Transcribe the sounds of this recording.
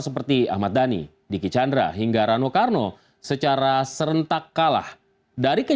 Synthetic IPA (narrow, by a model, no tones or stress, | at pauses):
səpərt̪ia̰hmat̪̚danḭ | dikit͡ʃandɾa̰ɦiŋɡaɾanokarno | sət͡ʃaɾasəɾənt̪akːala̰h | daɾikə